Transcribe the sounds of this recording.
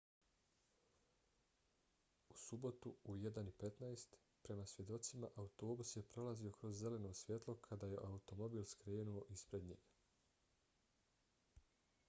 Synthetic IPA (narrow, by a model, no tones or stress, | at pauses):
usubo̞t̪uujed̪anipe̞t̪naest̪ | pɾe̞masʋje̞d̪o̞t̪simaʔaut̪o̞ːbusje̞pɾo̞lazio̞kɾo̞zːe̞le̞no̞ːsʋʲje̞t̪lˠo̞kʰad̪aje̞ʔaut̪o̞mo̞biːlskɾe̞ːnuo̞ʔispɾe̞d̪ɲḛːɡ